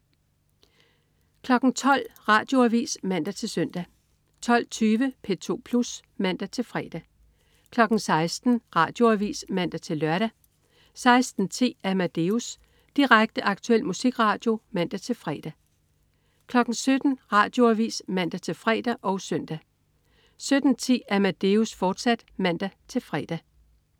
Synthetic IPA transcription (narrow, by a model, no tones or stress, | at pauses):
kʰlɒ̽ɡ̥n̩t͡sʰɒ̽l̰ʁɑ̈d̥jo̝æʋḭːsmæn̰d̥æt͡sʰe̝lsøn̰d̥æ | t͡sʰɒ̽l̰t͡sʰyːʋəpʰe̝t͡sʰo̝̰ːpʰlus | mæn̰d̥æt͡sʰe̝lfʁɛ̰ːd̥æ | kʰlɒ̽ɡ̥n̩sɑ̈ɪsd̥n̩ʁɑ̈ːd̥jo̝æʋḭːsmæn̰d̥æt͡sʰe̝lːɶɐɾ̥æ | sɑ̈ɪsd̥n̩t͡sʰe̝̰ːæmæd̥e̝us | d̥iʁaɡ̥̚d̥əʔɑ̈ɡ̥̚t͡sʰuel̰musiɡ̥ʁɑ̈ːd̥jo̝mæn̰d̥æt͡sʰe̝lfʁɛ̰ːd̥æ | kʰlɒ̽ɡ̥n̩sød̥n̩ʁɑ̈ːd̥jo̝æʋḭːsmæn̰d̥æt͡sʰe̝lfʁɛ̰ːd̥æʔɒ̽ʊsœn̰d̥æ | sød̥n̩t͡sʰḭːæmæd̥e̝usfɒːd̥sæd̥mæn̰d̥æt͡sʰe̝lfʁɛ̰ːd̥æ